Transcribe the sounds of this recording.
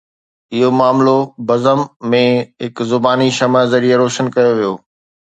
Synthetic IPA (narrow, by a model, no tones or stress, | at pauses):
ɪɦomaːmlobɐzəmːẽɦɪkzʊbaːniʃɐməzɐɾieɾoːʃənkɐjoʋijoː